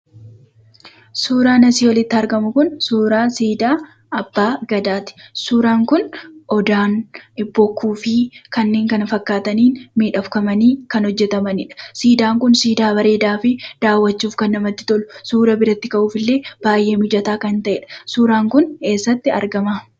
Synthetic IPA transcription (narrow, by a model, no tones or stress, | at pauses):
suːɾaːnɐsiːwɐlɪt̪ːɪɐɾɡɐmʊkʊnsuːɾaːsiːd̪aː | ɐbːaːɡɐd̪aːt̪ɪ̥suːɾaːŋkʊnʔɔd̪aːnbɔkʰːuːfɪkɐnːe̞ːŋkɐnfɐkːaːt̪ɐniːnmiːᶑɐfkɐmɐniːkɐnhɔd͡ʒːɛt̪ɐmɐnɪᶑɐ̥siːd̪aːŋkʊnsiːd̪aːbɐɾe̞ːd̪aːfɪd̪̥aːwːɐt͡ʃːuːfkɐnːɐmɐt̪ːɪ̥t̪ɔlʊsuːɾɐbɪɾɐt̪ːɪkɐʔuːfɪlːe̞ːb̥aːjʔe̞ːmɪd͡ʒɐt̪aːkɐnt̪ɐʔɛᶑɐ̥suːɾaːŋkʊne̞ːsːɐt̪ːɪɐ̰ɾɡɐma